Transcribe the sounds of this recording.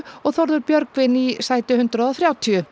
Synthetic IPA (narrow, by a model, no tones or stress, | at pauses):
ɔɣθɔɾðʏɾpjœɾkvɪnisaːjt̪ʏhʏnt̪ɾaðɔθɾjaːwt̪ʰiʏ